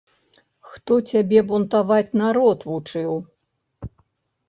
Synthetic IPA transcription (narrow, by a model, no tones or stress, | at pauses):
xt̪ɔt͡sʲabʲɛbunt̪avat͡sʲnaɾɔt̪vut͡ʂɨw